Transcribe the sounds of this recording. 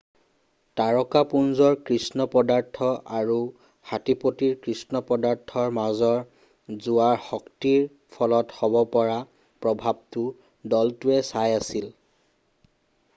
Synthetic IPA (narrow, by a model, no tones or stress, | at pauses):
taɹɔkapunzɔɹkɹisnɔpɔdaɹtʰɔʔaɹu | hatipotiɹkɹisnɔpɔdaɹtʰːɔɹmazɔɹ | zuwaɹxɔktiɹ | pʰɔlɔthɔbɔpɔɹa | pɹɔbʱab̚tʊ | dɔltuɛsajasil